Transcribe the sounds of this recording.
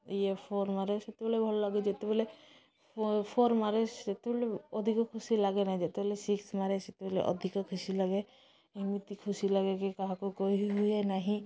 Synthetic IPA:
ijepʰɔɾmaɾeset̪ebɔlebʱɔlɔlaɡed͡ʒet̪eble | pʰɔɾmaɾesd͡ʒet̪ebɔleɔd̪ʱikɔkʰusilaɡenaɦĩd͡ʒet̪ebɔlesiksmaɾeset̪ebɔlḛʔɔ̰d̪ʱikɔkʰusilaɡe | mit̪ikʰusilaɡekikaɦakokɔɦiɦujenaɦĩ

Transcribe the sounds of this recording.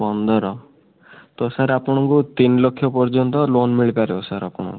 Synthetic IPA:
bɔnd̪ʱɔɾɔ | t̪ɔsaɾapɔɽ̃ɔŋkut̪inlokʰːjɔpɔɾd͡ʒɔnt̪ɔlonmiɭipaɾeosaɾapɔɽ̃ɔ̰̃ŋku̥

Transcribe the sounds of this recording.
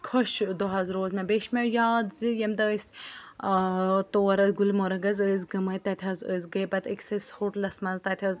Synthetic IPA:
kʰoʃd̪oɦɐzɾoːzmẽbeːʃmejaːd̪zɨjɐmd̪ɐs | t̪oːɐɾɐzɡulmoɾɐɡɐzəzɡɐmɐt̪ɐt̪ʰʲɐzəzɡɐjbɐt̪iksɐshoʈlɐsmɐzt̪ɐt̪ʲʰɐz

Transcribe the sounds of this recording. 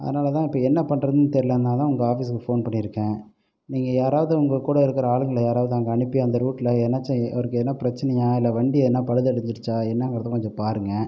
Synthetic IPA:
ɐ̰ðɐnaːlɐt̪ãːɪpːɐːɛnːɐpɐɳːɾɐðɯnːɯt̪ɛɾɪlɐnd̪aːt̪ãːʊŋɡɐaːfiːskːɯfoːnpɐɳːɪɾɯkːẽː | niːŋɡɐjaːɾaːʋɐðɯʊŋɡɐkːuːɽɐɪɾɯkːɪɾɐaːɭɯŋɡɐlɐjaːɾaːʋɐðɯaːŋɡɐɐɳɪpːɪjːɐnd̪ɐɾuːʈːlɐɛnːɐt͡ʃːɐ̃ɐ̰ʋɐɾɯkːɯɛnːɐpɪɾɐt͡ʃːɐnɐjaːɪlːɐʋɐɳɖiɛðɛnːaːpɐɽɯðɐɽɯɲd͡ʒɪɽɯt͡ʃːaːɛnːɐŋɡɐɾɐt̪ːɐkɔɲd͡ʒõpaːɾɯŋɡɐ

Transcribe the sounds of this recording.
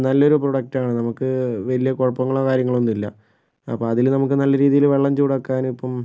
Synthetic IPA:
nɐlːo̞ɾuproɽɐk̚ʈaːɳɨnɐmukːɨʋɐlijɐkoɻɐpːɐŋːɐɭokaːɾjɐŋːɐɭo̞nd̪ilːɐ̰ | ɐ̰pːoɐðilnɐmuk̬ːɨnɐlːɐɾiːðijilʋe̞ɭːɐmt͡ɕuːɽɐkːaːnipːɐm

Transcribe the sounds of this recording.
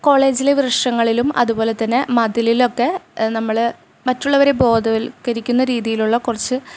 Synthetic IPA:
ko̞ːɭe̞ːd͡ʑileʋrɨʂɐŋːɐɭilumɐ̰ðubo̞ːle̞t̪ːɐnːemɐd̪ililo̞kːe̞nɐmːɐɭ | mɐtːuɭːɐʋɐɾe̞bo̞ːd̪ʱɐʋlkɐɾikʲːunːɐɾiːðijiluɭːɐkurɐt͡ɕːɨ

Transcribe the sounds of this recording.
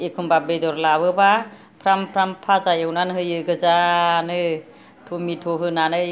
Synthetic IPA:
ekʰumbabedɔɾlaβɯba | pʰɾampʰɾampʰazajewnanɦɯjɯɡɯzanɯ | tʰumitʰɔɦɯnanɯj

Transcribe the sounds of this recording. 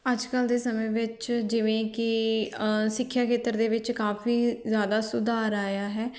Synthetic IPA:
əd͡ʒkəld̪eːsəmẽːʋɪt͡ʃd͡ʒɪʋẽːkɪ | sɪkʰːjaːkʰeːt̪əɾd̪eːʋɪt͡ʃkaːfiːzjaːd̪aːsʊd̪aːɾaːjaːɦɛː

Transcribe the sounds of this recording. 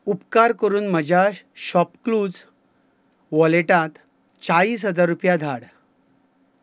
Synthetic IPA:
upkaɾkəɾuːnməd͡ʑʱaɕɔpkluːd͡z | ʋɔleʈãt̪ | t͡ɕaɭiːs̬ɦəd͡zaɾːupjad̪ʱaɽ

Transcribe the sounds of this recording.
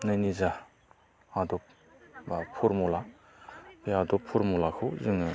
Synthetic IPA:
najniza | hadɔ | pʰuɾmula | piadɔpʰuɾmulakʰɯzɯŋɯ

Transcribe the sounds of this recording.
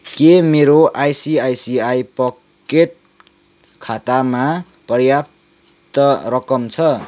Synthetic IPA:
kemeɾoʔajsiajsiajpʌkkeʈ̚ | kʰat̪ama | pʌrjap | t̪ʌɾʌkʌmt͡sʰʌ

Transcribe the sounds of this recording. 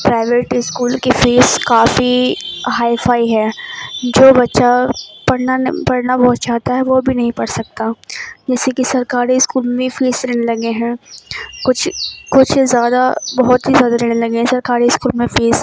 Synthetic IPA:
pɾaːɪʋeːʈɪskuːlkefeːzkaːfiɦaːɪfʰaːiɦɛːd͡ʒoːbɐtːʃapɐɽnapɐɽnabɐɦʊt̪̚t͡ʃaːɦt̪aɦɛʋobʱinɐɦĩpɐɽsɐk̚t̪ad͡ʒɛːsekisɐɾkaːɾiɪskuːlmẽfʰeːzleːnelɐɡeɦɛ̃ːkʊt͡ʃʰkʊt͡ʃʰzjaːd̪abɐɦʊt̪ɦizjaːd̪aɾeːnelɐɡeɦɛ̃sɐɾkaːɾiɪskuːlmẽfeːz

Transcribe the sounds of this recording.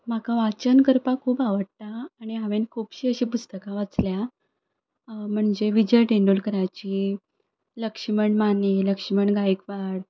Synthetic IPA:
m̤akaʋat͡ɕənkəɾpakʰuːpaʋəɽ̚t̪aːɽ̃iɦaʋenkʰuːpɕiːəɕiːpust̪əkãʋat͡slja | m̤əɳd͡zeʋid͡ʑəjʈeɳɖolkəɾajt͡ɕiː | ləkʂiməɳmaneləkʂiməɳɡajikʋaɽ

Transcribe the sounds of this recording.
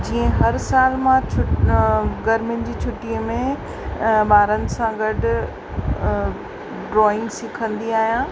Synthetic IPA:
d͡ʑiːə̃ɦɐɾsaːlmãt͡ɕʰʊ | ɡɐɾmɪnɪ̆d͡ʑiːt͡ɕʰʊʈiːəmẽ | ɓaːɾənɪ̆sãɡɐɖʱʊ̆ | ɖɾɔːɪ̃ŋɡsɪkʰə̃nd̪iaːɦijãː

